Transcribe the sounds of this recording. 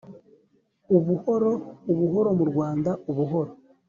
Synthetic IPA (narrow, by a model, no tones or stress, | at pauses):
uβuho̞ɾo̞uβuɦo̞ɾo̞muɾɡwaːndaʔuβuɦo̞ɾo